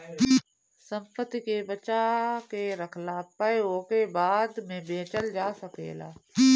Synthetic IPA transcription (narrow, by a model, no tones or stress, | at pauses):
sə̃mpət̪ːikebət͡ʃakeɾəkʰlaːpəeoːkebaːd̪mẽbeːt͡ʃəld͡ʒaːsəkḛːla̰ː